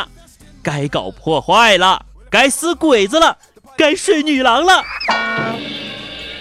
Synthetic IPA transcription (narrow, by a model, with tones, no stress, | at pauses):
ka˥ɪkɑ˨˩ʊpʰwɔ˥˧xwa˥˩ɪlə̰˩ | ka˥ɪsɹ̩˥kwe˨˩ɪd͡z̩˧lə˨ | ka˥ɪʂwe˥˩ɪny˨˩lɑ˧˥ŋlə˧